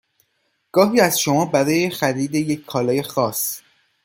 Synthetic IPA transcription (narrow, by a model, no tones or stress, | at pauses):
ɡ̥ɒːɦiːæzʃo̞mɒːbæɾɒːje̞xæɾiːd̪e̞jecʰkʰːɒːlɒːje̞xɒːs